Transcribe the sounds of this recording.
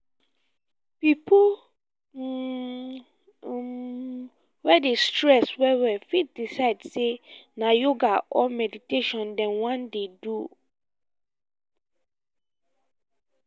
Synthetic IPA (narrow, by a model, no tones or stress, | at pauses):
pipʰu | wɛdestɹɛswɛwɛfit̚disaɪdsenãjoɡaʔɔmɛditʰeʃɔ̃ndɛ̃nwãndedu